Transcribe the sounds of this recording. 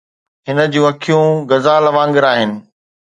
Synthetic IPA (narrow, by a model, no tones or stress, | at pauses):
ɦɪnə̆d͡ʑũːɐkʰijũɡɐzaːlɐʋãːŋɡɪɾaːɦɪnɪ̆